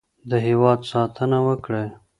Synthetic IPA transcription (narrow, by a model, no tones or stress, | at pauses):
d̪əɦewɑd̪sɑt̪ʰənawəkɽe